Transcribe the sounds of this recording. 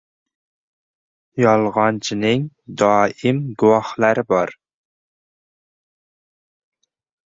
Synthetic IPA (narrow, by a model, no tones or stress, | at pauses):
jɑlˠʁɑnt͡ʃʰinɪŋd̪ɑːimɡuwɑχlˠæɾɪbɑɾ